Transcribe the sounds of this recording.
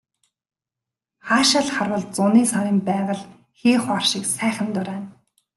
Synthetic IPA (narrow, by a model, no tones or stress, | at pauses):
χaːʃə̆ɮχarwə̆ɮt͡sʊniːsaɾʲiːmpæːʁə̆ɮ | xeːχarʃĭːksæːχʲə̆nt̪ʊɾæːn